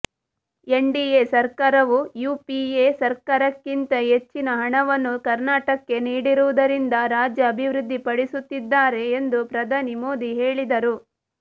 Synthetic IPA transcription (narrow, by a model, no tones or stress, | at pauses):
e̞ɳɖieːsɐɾkaːɾɐʋujuːpieːsɐɾkaːɾɐkːint̪ɐɦe̞t͡ʃːinɐɦɐɳɐʋɐnːukɐɾnaːʈɐkːe̞niːɽiɾuʋud̪ɐɾind̪ɐɾaːd͡ʒjɐːbʱiʋɾud̪ʱːipɐɽisut̪ːid̪ːaːɾe̞ːnd̪upɾɐd̪ʱaːnimo̞ːd̪iɦe̞ːɭid̪ɐɾu